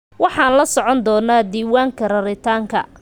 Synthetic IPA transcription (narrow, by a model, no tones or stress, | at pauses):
wɑħɑːnlɐsɔʕɔnd̪ɔːnaːd̪iːwaːŋkʰɐrɐɾɪt̪ʰaːŋkʰɐ̰